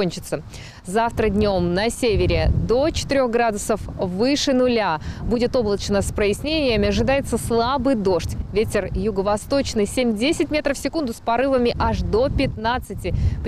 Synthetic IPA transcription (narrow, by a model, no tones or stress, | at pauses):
onʲt͡ɕɪt̪sə | zaft̪ɾədʲnʲo̞mnɐsʲevʲɪɾʲɪd̪o̞t͡ɕɪ̥t̪ɨɾʲo̞xɡɾad̪ʊsəfvɨʂɨnʊlʲabudʲɪt̪o̞blˠət͡ɕnəspɾəjɪsʲnʲenʲɪjəmʲɪɐʐɨd̪ajɪt̪səslˠabɨjd̪o̞ʂtʲvʲetʲɪrjʊɡəvɐst̪o̞t͡ɕnɨjsʲemʲdʲesʲɪtʲmʲe̞t̪ɾəfsʲɪkund̪ʊspɐɾɨvəmʲɪʔaʂd̪o̞pʲɪt̪nat̪sɨtʲɪp